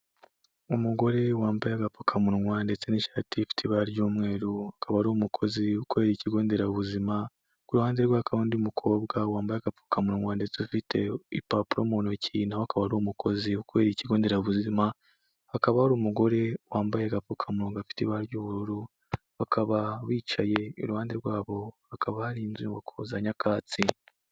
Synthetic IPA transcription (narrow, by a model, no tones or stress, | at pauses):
umuɡo̞ɾe̞waːmbajaɡapukʰamuɾuŋwaːndet͡seniʃaːtʰifi̥tʰiβaɾɟuːmŋe̞ːɾuakʰaβaɾuːmukʰo̞ziukwe̞ɾiːciɡo̞ːnde̞ɾauβuzima | kuɾuhaːnzeɾɡwaakaβandiumukʰo̞ːbɡawaːmbajaɡapu̥kamuɾuŋwaːndet͡seufitʰe̞ipapuɾomonociːnaakaβaɾumuko̞ziukwe̞ːɾiciɡo̞ːnde̞ɾaβuzima | hakaβahaɾuːmuɡo̞ɾe̞waːmbajeɡafukʰamuɾoŋɡafi̥tiβaɾjuːβuɾuɾu | βakʰaβaβiːt͡ʃaje̞ṵɾuhaːndeɾɡwaːβo̞hakaβahaɾinziwakʰozaɲakʰaːt͡si